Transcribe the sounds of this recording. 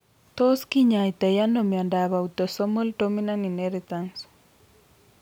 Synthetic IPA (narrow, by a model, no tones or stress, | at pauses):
t̪oskiɲajt̪ɛjanomjandaβaut̪osomoldominaninɛɾit̪ans